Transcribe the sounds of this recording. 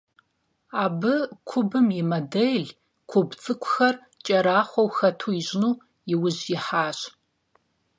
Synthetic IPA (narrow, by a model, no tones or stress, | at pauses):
aːbɨkʷʰʊbɨmjɪmɐdɐjɮ | kʷʰʊbt͡sʼɨkʷʰʼʊxɐr | t͡ʃʼɐɾaːχʷɔwxɐtʰuːiʒɪnuː | jɪwʊʑjɪħaːɕ